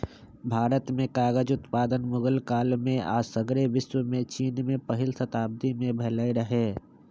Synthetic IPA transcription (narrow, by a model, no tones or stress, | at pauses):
bʱaːɾət̪mẽkaːɡəd͡ʒʊt̪paːd̪ənmʊɡəlkaːlmẽa̰ːsəɡɾeʋɪswəmẽt͡ʃiːnmẽpəɦɪlsət̪aːb̚d̪imẽbʱɐləiɾəɦeː